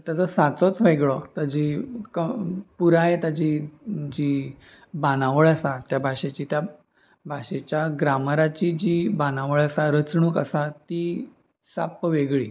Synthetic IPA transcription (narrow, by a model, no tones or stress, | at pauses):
t̪jat͡sɔsat͡sɔt͡sʋəjɡɭɔt̪ad͡ʑikəpuɾãjet̪ad͡ʑid͡ʑi | banãʋəɭasat̪jabʱaɕet͡ɕit̪ja | bʱaɕet͡ɕjaɡɾamɾat͡ɕid͡ʑibanaʋəɭəsaɾət͡sɳuːkəsat̪i | sapʋeɡɭḭː